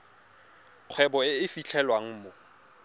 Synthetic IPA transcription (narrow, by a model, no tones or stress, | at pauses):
q͡χʰwɛbɔɪɪfit͡ɬʰɛlwaŋ̩mo